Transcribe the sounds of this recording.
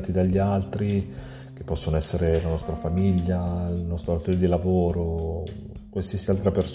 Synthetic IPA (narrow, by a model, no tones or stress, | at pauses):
t̪id̪aʎːialt̪ɾi | k̟epːɔsːonoɛsːeɾelanɔst̪ɾafamiʎːailnɔst̪ɾoɾat̪oɾed̪ilavoːɾo | kwalsiasialt̪ɾapers